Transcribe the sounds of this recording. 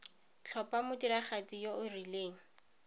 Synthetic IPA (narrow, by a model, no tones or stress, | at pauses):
t͡ɬʰɔpamʊtiɾaχat͡sijoʊrileːŋ̩